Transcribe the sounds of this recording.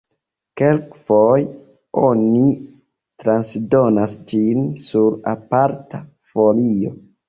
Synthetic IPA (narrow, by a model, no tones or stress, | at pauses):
ke̞lkfoj | o̞ni | tɾansdo̞nasd͡ʒinsuɾapaɾta | folio̞